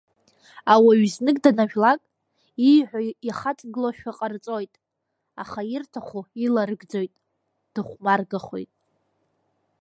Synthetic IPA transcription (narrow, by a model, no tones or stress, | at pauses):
awaɥznɨkʼdanaʒᶣlakʼ | ijħʷᶣaiχatʼɡɨloʃᶣaqʼart͡sʼo̞jtʼ | a̰χairtʰaχʷuilaɾɨɡd͡zo̞jtʼ | d̥ɨχʷmarɡaχʷo̰jtʼ